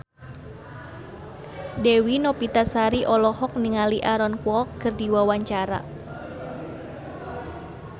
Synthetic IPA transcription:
dewinɔpit̪asaɾiʔɔlɔhɔk̚niŋaliʔaɾɔnkwɔkkərdiwawaɲt͡ʃaɾa̰

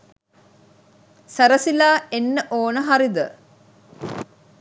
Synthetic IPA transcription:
sæɾəsilaːenːəʔoːnəɦaɾid̪ə̰

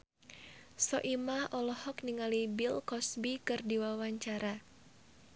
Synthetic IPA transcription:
sɔʔimahɔlɔhɔk̚niŋalibilkɔsbikɨrdiwawaɲt͡ʃaɾa

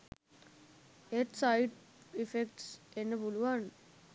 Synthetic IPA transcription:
eʈsaɪɖ | ifekʈsenːəpuluʋan

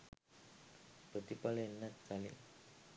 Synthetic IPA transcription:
pət̪ipalenːat̪̚kalḭ

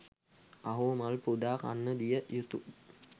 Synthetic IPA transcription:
aɦumalpud̪aːka̰nːəd̪ijəjut̪u

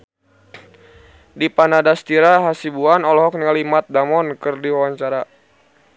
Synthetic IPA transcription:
dipanadast̪iɾaɦasibuanɔlɔɦɔk̚nŋalimat̪̚damɔnkɨrdiwawaɲt͡ʃaɾa

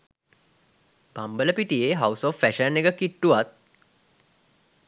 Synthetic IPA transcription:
b̥ambələpiʈijeɦawsɔfːæʃənːeɡəkiʈːuʋat̪̚

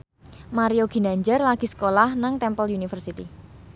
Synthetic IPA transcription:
maɾioɡ̥i̤naɲd͡ʒərlaɡ̥i̤sə̥kolahnaŋt̪ɛmpəljunifərsit̪i

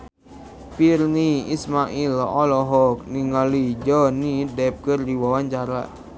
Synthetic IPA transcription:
pirniismaʔilɔlɔɦɔk̚niŋalid͡ʒɔnidɛp̚kɨrdiwawaɲt͡ʃaɾa̰

